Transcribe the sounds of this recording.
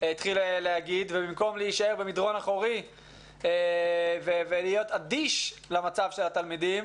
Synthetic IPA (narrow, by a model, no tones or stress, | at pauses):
it̪χileleaɡid̪vebimko̞mleiʃae̞ʁbemid̪ʁo̞naχoʁi | evevelijo̞t̪adiʃlamat͡savʃelat̪almid̪im